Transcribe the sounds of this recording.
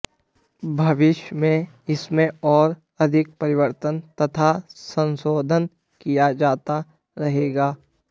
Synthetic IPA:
bʱɐʋɪʃjmẽ | ɪsmẽɔːɾ | ɐd̪ʱɪk̚pɐɾɪʋəɾt̪ənt̪ɐt̪ʰasə̃nsoːd̪ʱən | kijad͡ʒaːt̪a | ɾɐɦeːɡaː

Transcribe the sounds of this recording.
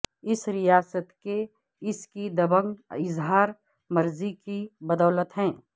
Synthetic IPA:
ɪsɾɪjaːsət̪ke | ɪskid̪ɐbəŋɡɪzɦaːɾ | mɐɾzikibəd̪ɔːlət̪ɦɛ̃ː

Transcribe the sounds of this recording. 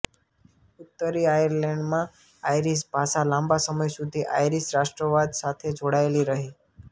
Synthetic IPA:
ʊt̪ːəɾiajəɾlɛ̃ɳɖmã | ajɾisbʱaʃalãmbasəməjsud̪ʱiʔa̰jɾisɾaʃʈɾəʋad̪sat̪ʰed͡ʒoɽaeliɾəɦi

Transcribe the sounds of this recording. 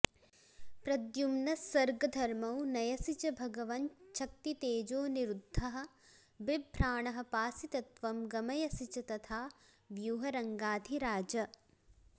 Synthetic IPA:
pɾɐd̪jumnɐsʋɐɾɡɐd̪ʱɐɾmɐwnɐjɐsit͡ʃɐbʱɐɡɐʋɐnt͡ʃʰɐk̚t̪it̪eːd͡ʒoːniɾud̪ʱːɐɦɐ̆ | bibʱɾaːɳɐɦɐ̆paːsit̪ɐt̪ʋɐmɡɐmɐjɐsit͡ʃɐt̪ɐt̪ʰaː | ʋjuːɦɐɾɐŋɡaːd̪ʱiɾaːd͡ʒɐ

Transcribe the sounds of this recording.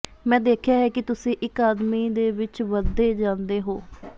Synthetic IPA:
mɛ̃ːd̪eːkʰjaːɦɛːkɪt̪ʊsĩːʔɪkaːd̪miːd̪eːʋɪt͡ʃʋəd̪eːd͡ʒãːnd̪eːɦoː

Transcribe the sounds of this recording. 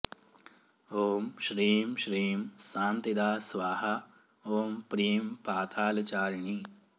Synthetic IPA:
oːmʃɾiːmʃɾiːmsãːnt̪id̪aːsʋaːɦa | oːmpɾiːmpaːt̪ʰaːlt͡ʃaːɾɳiː

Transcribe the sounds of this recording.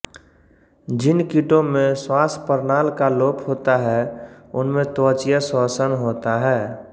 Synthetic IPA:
d͡ʒɪnkɪʈõmẽswaːspəɾnaːlkaloːpɦoːt̪aɦɛʊnmẽt̪oːt͡ʃijəsɔːsənɦoːt̪aɦɛː

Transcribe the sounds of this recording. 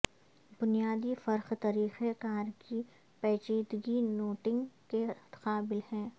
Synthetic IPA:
bʊnijaːd̪ifɐɾxt̪ɐɾiːxekaːɾki | pɛːt͡ʃiːd̪ɡinoːʈɪ̃ŋɡkeqaːbɪlhɛ̃ː

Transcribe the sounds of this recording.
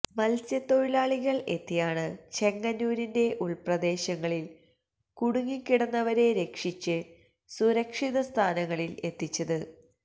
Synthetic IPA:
mɐlsjɐt̪ːo̞jlaːɭiɣɐɭe̞t̪ːijaːɳɨt͡ɕe̞ŋːɐnːuːɾinde̞ʔuɭprɐd̪e̞ːɕɐŋːɐɭil | kuɽuŋːikʲːiɽɐnːɐʋɐɾe̞ɾe̞kʂit͡ɕːɨ | suɾɐkʂiðɐst̪ʰaːnɐŋːɐɭile̞t̪ːit͡ɕːɐðɨ

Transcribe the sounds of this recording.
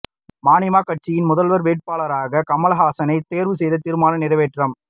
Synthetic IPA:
maːnɪmaːkɐʈ̚t͡ʃɪjɪnmʊðɐlʋɐɾʋeːʈ̚paːlɐɾaːɣɐkɐmɐlɐɦaːsɐnɐɪt̪ːeːɾʋɯs̬ɛjðɐt̪ːiɾɯmaːnɐnɪrɐʋeːʈrɐm

